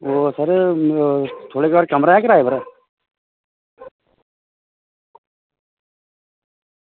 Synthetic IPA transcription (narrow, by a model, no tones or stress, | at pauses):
oːsəɾ | t̪ʰoːɽekebaːɾkɐmɾaɦɛkɾaːebɐɾ